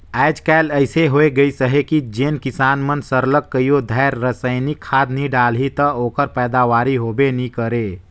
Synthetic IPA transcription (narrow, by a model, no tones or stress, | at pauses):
ɛɪd͡ʒkɛləɪseɦoeɡəisəɦekid͡ʒeːnkisaːnmənsəɾləkːəijod̪ʱaɾːəsəɪnikʰːaːd̪niɖaːlɦit̪əoːkəɾpɛːd̪aʋaːɾiɦobenikəɾe